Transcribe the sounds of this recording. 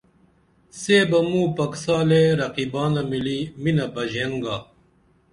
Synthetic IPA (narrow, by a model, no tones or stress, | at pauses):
seːbɐmũːpɐksaːleɾɐqiːbaːnɐmiliːminɐbɐd͡ʑeŋɡaː